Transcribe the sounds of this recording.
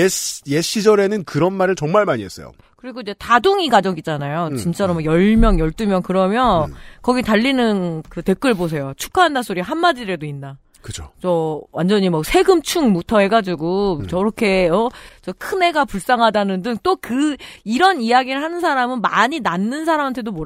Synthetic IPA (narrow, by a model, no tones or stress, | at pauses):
eje̞ɕ͈id͡ʑʌɾe̞nɯnkɯɾʌnmaɾɯɭt͡ɕʌŋmaɭmaɲies͈ʌ̰jo̰ | kɯɾiɡoid͡ʑe̞taduŋiɡad͡ʑʌɡit͡ɕ͈anajot͡ɕint͡ɕ͈aɾomʌjʌɭmjʌŋjʌɭt͈umjʌŋkɯɾʌmjʌkʌɡitaʎːinɯnkɯte̞k͈ɯɭbos̬ʰe̞jot͡ɕʰu̥kʰaɦandas͈oɾiɦanːad͡ʑiɾe̞doinːa | kɯt͡ɕʰo̥t͡ɕʌwand͡ʑʌɲimʌk̚sʰe̞ɡɯmt͡ɕʰuŋmutʰʌɦe̞ɡad͡ʑiɡut͡ɕʌɾʌkʰe̞ʌt͡ɕʌkʰɯne̞ɡapuɭs͈aŋɦadanɯndɯŋt͈okɯiɾʌnijaɡiɾɯɭhanɯnsʰaɾamɯnmaɲinanːɯnsʰaɾamantʰe̞domoɾ